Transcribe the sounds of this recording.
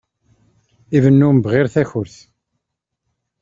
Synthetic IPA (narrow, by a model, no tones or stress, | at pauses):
ivənːʊmbʁɪɾθæçʊɾθ